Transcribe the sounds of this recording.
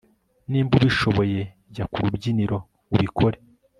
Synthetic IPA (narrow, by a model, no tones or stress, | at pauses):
niːmbuβiʃo̞βo̞je̞ | ɟakuɾubɟiniɾo̞ | uβikʰo̞ɾe